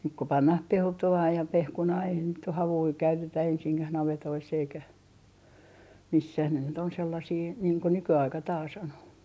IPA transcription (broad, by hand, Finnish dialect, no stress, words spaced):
nyk ko pɑnːɑh peltoɑː jɑ pehkunɑː eihæn nyt oh hɑʋui kæytetæ ensiŋkæh nɑʋetoisː eikæ misːæh ne nyt on selːɑsiː niːŋ ko nykyɑikɑ tɑːs on